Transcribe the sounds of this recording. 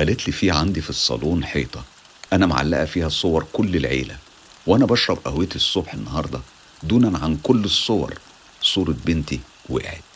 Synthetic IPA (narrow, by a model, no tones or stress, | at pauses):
ælet̪lifiːʕand̪ifisˤːɑ̰luːnħeːt̪ˤɑ | ʔænæm̰ʕa̰lːæ̰ʔæfiːhæsˤowɑɾˤkolːelʕḛːlæ | wʔænæbɑʃɾˤɑbʔæhwjet̪isˤːobħenːɑhɑɾˤd̪ˤɑ | d̪uːnænʕankolːesˤːowɑ̰ɾˤ | sˤuːɾet̪̚bent̪i | wḛʔḛʕḛd̪